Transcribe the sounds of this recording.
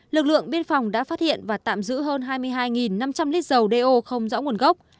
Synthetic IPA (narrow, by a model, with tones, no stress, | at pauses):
lɨ˨˩k̚lɨ̰˧˨əŋɓi˧ənfɔ˨˩wŋ͡mɗa̰ː˧˥faː˦˥t̚hḭ˧˨ənvaː˨˩t̪a̰ː˧˨mzɨ̰˧˥ɦəː˧nɦaː˧jmɨ˧əjɦaː˧jŋi˨˩nːa˧mt͡ɕa˧mli˦˥k̚zə˨˩wɗe˧ʔo˧xə˧wŋ͡mzɔ̰˧˥ŋu˨˩ənɣə˦˥wk͡p̚